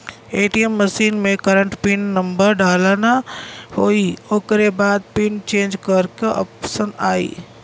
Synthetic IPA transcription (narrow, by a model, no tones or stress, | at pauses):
eːʈiemːɐsiːnmẽkɐɾə̃ɳʈpinːɐ̃mbəɾɖaːlaːnahoːioːkɾebaːd̪̚pint͡ɕẽːnd͡ʒkɐɾkoʔɐ̰psənaːḭː